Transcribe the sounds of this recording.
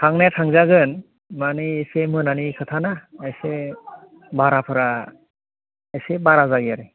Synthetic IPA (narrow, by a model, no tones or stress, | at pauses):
tʰaŋnatʰaŋzaɡɯn | maniesemɯnanikʰɯtʰanaese | baɾapʰɯɾa | esebaɾazaɡiaɾɯ